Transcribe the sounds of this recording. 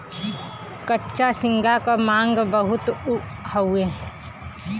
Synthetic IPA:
kətːʃasɪ̃ŋɡʱakamãːŋɡbəɦʊt̪həwe

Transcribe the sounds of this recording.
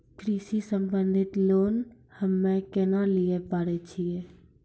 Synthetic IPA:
kɾiʃisəmbənd̪ʱɪt̪loːn | həmːẽkɛːnaliepaːɽɛt͡ʃʰije

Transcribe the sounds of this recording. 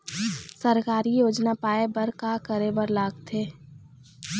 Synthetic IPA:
səɾkaːɾijoːd͡ʒnapaːebəɾkaːkəɾebəɾlaːɡt̪ʰeː

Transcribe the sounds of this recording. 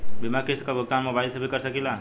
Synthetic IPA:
bimakɪst̪kabot̪amɔbaɪlsebʱikəɾsəkila

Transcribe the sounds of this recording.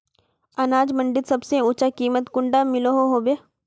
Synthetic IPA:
ɐnaːd͡ʒmɐ̃ɳɖɪt̪sɐbseuːt͡ʃakiːmət̪kʊ̃ɳɖamɪloɦoɦoːbeː

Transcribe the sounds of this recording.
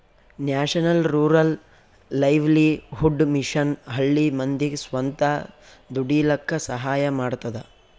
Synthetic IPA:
njaːʂɐnɐlɾuːɾɐlː | ɐjʋliɦuɖmiʂɐnɦɐɭːimɐnd̪iɡsʋɐnt̪ɐ | d̪uɽiːlɐkʰːɐsɐɦaːjɐmaːɽt̪ɐd̪ɐ

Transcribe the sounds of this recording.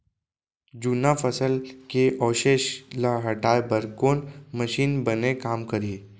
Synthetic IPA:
d͡ʒuːnafʰəsəlkeʔɔːʃeːʃlaɦɐʈaːebɐɾkoːnmɐʃiːnbɐnekaːmkɐɾiː

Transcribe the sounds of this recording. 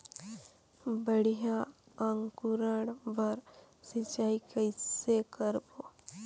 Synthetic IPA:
bəɽ̤ijaaŋkuɾəɽbəɾ | sɪt͡ʃaːikəɪsekəɾbo

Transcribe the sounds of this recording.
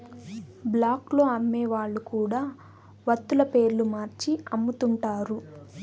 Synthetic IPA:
blaːklo̞ːɐmːeːʋaːɭːukuːɽaː | ʋɐt̪ːulɐpe̞ːɾlumaːɾt͡ʃiɐmːut̪uɳʈaːɾu

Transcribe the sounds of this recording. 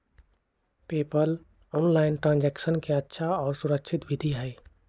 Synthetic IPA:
peːpəl | ɔːnlaːɪnʈɾãːnd͡ʒɛːkʃənkeətːʃʰaɔːɾsʊɾəkʃʰɪt̪ʋɪd̪ʱiɦɛː

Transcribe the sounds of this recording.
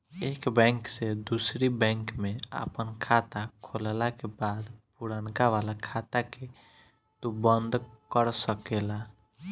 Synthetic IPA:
ekbɛ̃ŋksed̪usɾibɛ̃ŋkmẽa̰pənkʰat̪akʰollakebaːd̪puɽənkaʋalakʰat̪ake | t̪ubənd̪kəɾsəkela

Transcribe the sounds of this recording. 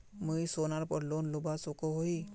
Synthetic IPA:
muisoːnaɾpɔɾloːnlʊbasokoɦoi

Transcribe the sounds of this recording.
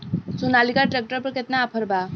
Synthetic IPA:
sunalikaʈɾek̚ʈəɾpəɾket̪naːpʰəɾba

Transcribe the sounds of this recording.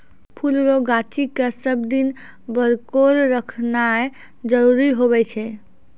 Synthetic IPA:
pʰulɾoɡat͡ʃikasəbd̪in | bəɾkoɾɾəkʰna | d͡ʒəɾuɾiɦoβɛt͡ʃʰɛ

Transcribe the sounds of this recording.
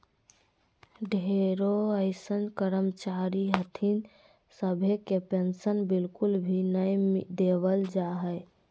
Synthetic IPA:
ɖʱeɾoəɪsənkəɾəmt͡ʃaɾiɦət̪ʰin | səbʱekepensənbilkulbʱinəjd̪eβəld͡ʒaɦəj

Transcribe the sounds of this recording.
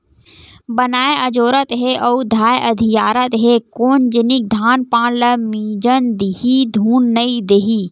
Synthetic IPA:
bənaːeɐd͡ʒoːɾət̪ɦeʔoud̪ʱaːjʔɐd̪ʱijaːɾət̪ɦekoːnd͡ʒɪnɪk̚d̪ʱaːnpãːnləmiːd͡ʒənd̪iɦid̪ʱuːnːəid̪eɦiː

